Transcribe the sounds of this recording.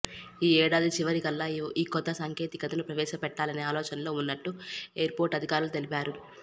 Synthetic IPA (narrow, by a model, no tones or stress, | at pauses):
iːɛːɽaːd̪it͡ʃiʋɐɾikɐlːaʔiːkɔd̪ːɐsɐŋke̞ːt̪ikɐt̪ɐnupɾɐʋɛːʃɐpɛʈːaːlɐneːaːlɔːt͡ʃɐnɐlo̞ːunːɐʈːueːɐɾpo̞ːɾʈɐd̪ʱikaːɾulut̪e̞lipaːɾu